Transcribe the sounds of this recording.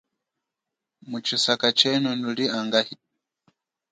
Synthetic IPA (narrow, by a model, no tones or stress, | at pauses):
mut͡ʃisakat͡ʃɛnunuliaŋɡahi